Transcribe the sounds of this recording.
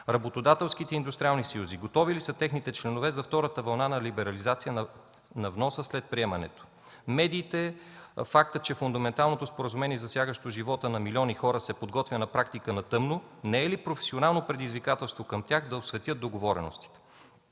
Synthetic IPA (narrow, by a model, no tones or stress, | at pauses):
ɾɐbot̪od̪at̪ɛlˠskit̪ɛind̪ust̪ɾʲialˠnisɐjuziɡot̪ɔvilisət̪ɛxnit̪ɛt͡ʃlɛnovɛzɐft̪ɔɾət̪əvɐlˠnanɐlibɛɾɐlizat̪sijən | nɐvnɔsəslɛt̪̚pɾiɛmɐnɛ̰t̪o̥ | mɛd̪iːt̪ɛfak̚t̪ət͡ʃɛfʊnd̪ɐmɛnt̪alˠnot̪ospoɾəzumɛniɛzɐsjaɡəʃt̪oʒivɔt̪ənɐmilʲiɔnixɔɾəsɛpod̪ɡɔt̪vʲjənɐpɾakt̪ikənɐt̪ɤmnonɛɛlipɾofɛ̥sionalˠnopɾɛd̪izvikat̪ɛlˠst̪vokəmt̪ʲjaxd̪ɐosvɛt̪ʲjɤt̪̚d̪oɡovɔɾɛ̰no̰st̪i̥t̪ɛ̥